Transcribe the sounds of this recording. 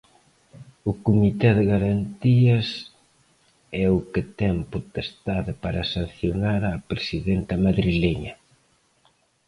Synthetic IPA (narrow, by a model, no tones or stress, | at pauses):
ʊkumit̪ɛðeɣaɾant̪iɐs | ɛʊket̪ɛŋpot̪est̪aðepaɾɐsan̟θjonaɾapɾesiðɛnt̪ɐmaðɾileɲɐ